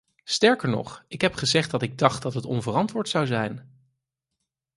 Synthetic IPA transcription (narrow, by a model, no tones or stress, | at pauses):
stɛɹkəɹnɔ̰χɪkɦɛpχəzɛχt̚dɑtɪɡ̚dɑχtd̥ɑtɦətɔ̰nvərɑntʋʊːɹtsɑwzɛjn